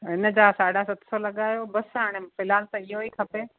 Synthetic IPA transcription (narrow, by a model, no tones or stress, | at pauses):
ɦɪnə̆d͡ʑaːsaːɽasɐt̪solɐɠaːjobɐsɦaːɽ̃efɪlaːlt̪ɐɪɦoikʰɐpe